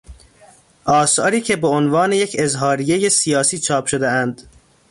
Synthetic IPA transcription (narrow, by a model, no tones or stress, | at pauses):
ʔɒːsɒːɾiːcʰebeonvɒːne̞jecʰezɦɒːɾije̞jesijɒːsiːt͡ʃʰɒːpʰʃod̪eænd̪̥